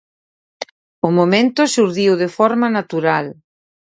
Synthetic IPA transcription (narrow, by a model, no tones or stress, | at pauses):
ʊmomẽnt̪ʊsuɾðiwðɪfɔɾmanat̪uɾal